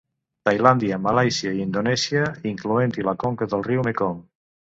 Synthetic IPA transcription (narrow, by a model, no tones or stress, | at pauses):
t̪ajland̪iamalajsiaiind̪onɛsjaiŋkluent̪ilakoŋkəðəlˠriwmekoŋ